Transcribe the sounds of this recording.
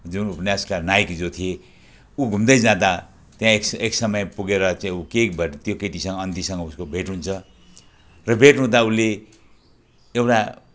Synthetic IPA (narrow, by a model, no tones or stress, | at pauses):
d͡zunupnjaskanajkd͡zot̪ʰije | uɡʱumd̪ʌjd͡zãd̪a | t̪jãekseksʌmʌjpuɡeɾʌt͡saĩukebʱʌt̪jokeʈisʌŋɡʌʌnd̪isʌŋɡʌuskobʱeʈɦunt͡sʰʌ | rʌbʱeʈnɦũd̪aule | ewʈa